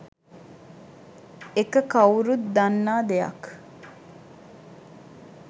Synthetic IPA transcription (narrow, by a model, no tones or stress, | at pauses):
ekəkɐwɾut̪d̪anːaːd̪ejɐ̰k